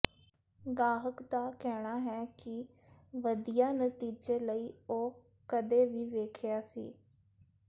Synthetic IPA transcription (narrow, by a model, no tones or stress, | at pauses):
ɡaːɦəkd̪aːkɛːɽ̃aːɦɛːkɪ | ʋəd̪ijaːnət̪iːd͡ʒeːləiːoː | kəd̪eːʋiːʋeːkʰɪjaːsḭː